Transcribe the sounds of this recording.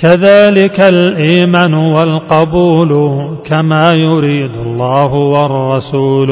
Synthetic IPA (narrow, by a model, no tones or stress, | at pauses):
kaðaːlɪkalʔiːmanʊwalqɑbuːlkamaːjʊɾiːd̪alːɑːhʊwɑrˤːɑsuːl